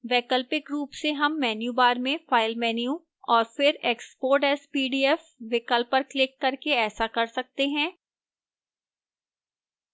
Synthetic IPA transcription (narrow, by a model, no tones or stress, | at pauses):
ʋɛːkəlpɪkɾuːpseɦɐmːɛːnjubaːɾmẽfaːɪlmɛːniju | ɔːɾfɪɾɛːkspoːɾʈɛːspiːɖiːɛfʋɪkəlpːɐɾklɪkːɐɾkeɛːsakɐɾsɐk̚t̪eɦɛ̃ː